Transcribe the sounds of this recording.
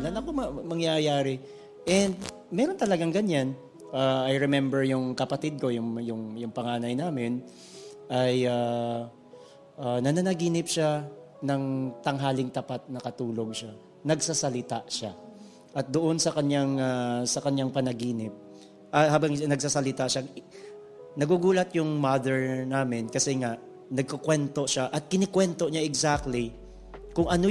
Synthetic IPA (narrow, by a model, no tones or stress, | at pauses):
lɐnɐkomɐmɐŋjajaːɾɪ | ʔɛnd̪̚ | mɛːɾo̞nt̪ɐlɐɡaŋɡɐɲan | ʔaːɐjɾɛmɛmbɛɹjʊŋkɐpɐt̪ɪd̪̚ko̞jʊŋjʊŋjʊŋpɐŋaːnɐjnaːmɪn | ʔɐja | ʔanɐnanɐɡiːnɪpʃa | nɐŋt̪ɐŋɦaːlɪŋt̪ɐpat̪̚nɐkɐt̪uːlo̞ɡ̚ʃa | nɐɡsasɐlɪt̪aʔʃa | ʔɐt̪̚d̪oʔo̞nsɐkɐɲjaŋasɐkɐɲaŋpɐnɐɡiːnɪp̚ | ʔɐhaːbɐŋnɐɡ̚sasɐlɪt̪aʃa | nɐɡuɡuːlɐt̪jʊŋmad̪ɛɹnaːmɪnkɐsɛŋaʔ | nɐɡ̚kɐkwɛnt̪o̞ʃaʔɐt̪̚kɪnɪkwɛnt̪o̞ɲaʔɛɡsak̚t̪li | kʊŋʔɐno